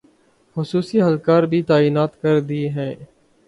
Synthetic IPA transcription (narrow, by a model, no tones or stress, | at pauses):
xʊsuːsiːɦəlkaːɾbʱiːt̪aːiːnaːt̪kəɾd̪ieɦɛ̃ː